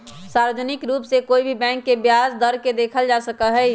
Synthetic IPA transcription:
saːɾəd͡ʒənɪkɾuːpsekoːibʱibɛ̃ːŋkːebjazd̪əɾked̪eːkʰəld͡ʒasəkəɦɛ

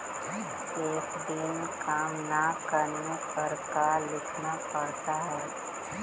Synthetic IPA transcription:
eːkd̪ɪnkaːmnakəɾnekəɾkalɪkʰnapəɽt̪aɦɛː

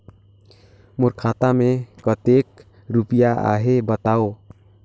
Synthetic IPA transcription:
mʊɾkʰat̪amẽkət̪ek | ɾupijaʔa̰ɦebət̪aːo

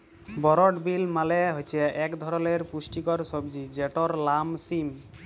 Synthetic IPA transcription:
bɔɾɔʈbilmaleɦojt͡ʃʰeɛkd̪ʱɔɾɔleɾpusʈikɔɾsɔbd͡ʒid͡ʒeʈɔɾlamsim

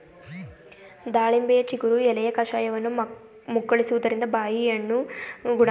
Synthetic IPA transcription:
d̪aːɭimbejɐt͡ʃikuɾuɛlɐjɐkɐʂaːjɐʋɐnːu | muɡːɐɭisuʋud̪ɐɾind̪ɐbaːjijɐnːuɡuɽ

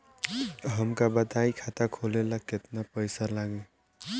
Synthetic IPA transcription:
ɦəmkabəd̪aikʰat̪akʰolelaket̪napəjsalaɡẽ

